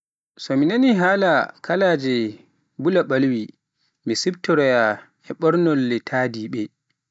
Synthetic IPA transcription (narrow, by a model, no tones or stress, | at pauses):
sɔminaniɦaːlakʰalaːd͡ʒɛ | bulaɓalwi | misibtɔɾɔja | ɛɓɔɾnɔlːɛtʰaːdiɓɛ